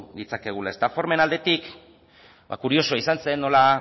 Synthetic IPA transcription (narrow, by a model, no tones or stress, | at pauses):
d̪it͡sake̞ɣ̞ulae̞st̪afo̞ɾme̞nald̪et̪ik | ba̰kuɾio̞soaisanse̞nːo̞la